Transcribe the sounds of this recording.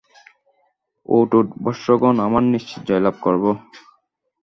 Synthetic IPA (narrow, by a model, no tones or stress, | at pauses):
o̰ʈoʈbɔɾʃːoɡonamaɾniʃt͡ɕi̥t̪d͡ʑɔjlab̚koɾbo